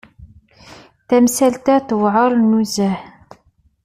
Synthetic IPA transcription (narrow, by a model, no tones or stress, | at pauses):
θæmsælt̪æθwʕəɾˤnːuzæh